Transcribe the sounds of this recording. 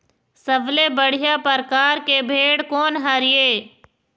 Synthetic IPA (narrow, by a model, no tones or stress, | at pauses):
səblebəɽ̤ijapəɾkaːɾkebʱeːɽkɔːnɦɐɾijeː